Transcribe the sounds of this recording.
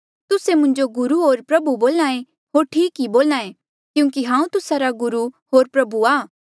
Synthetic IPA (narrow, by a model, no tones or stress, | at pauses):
t̪ʊsemʊ̃ɲd͡ʒoɡʊɾuɦoːɾpɾɐbuboːlnãːẽ | ɦoːɾʈʰiːkɦiboːlaːẽ | kjũːkiɦãːũt̪ʊsaɾaɡʊɾuɦoːɾpɾɐbuaː